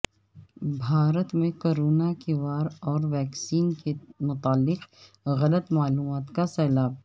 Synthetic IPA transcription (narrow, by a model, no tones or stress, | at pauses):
bʱaːɾət̪mẽkoːɾoːnakeʋaːɾɔːɾʋɛːksiːnkemʊt̪aːlːɪq | ɣɐlət̪maːluːmaːt̪kasɛːlaːb̚